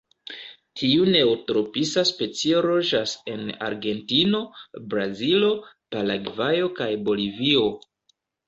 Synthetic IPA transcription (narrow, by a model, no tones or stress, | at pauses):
tʰiune̞otɾo̞pisaspe̞t͡sioɾo̞ʒase̞na̰ɾɡe̞ntino̞bɾazilo̞palaɡvajo̞kajbo̞livio̞